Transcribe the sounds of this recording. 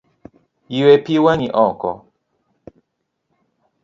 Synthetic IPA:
jiwepiwaɲiʔɔkɔ̰

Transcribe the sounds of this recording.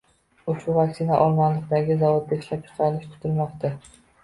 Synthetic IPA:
ʊʃʊvakʲsɪnaʔɒlˠmanlɪkʲd̪aɡʲɪzavod̪̚bʲaɪʃlap̚t͡ʃʰɨ̥qʰɑnɪʃt̪ʰʊ̥t̪ʰʊlmɒqt̪ʰa

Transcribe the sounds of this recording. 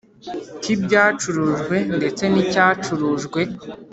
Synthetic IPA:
cibɟaːt͡ʃuɾuʒɡwe̞nde̞t͡se̞nicaːt͡ʃuɾuʒɡwe̞

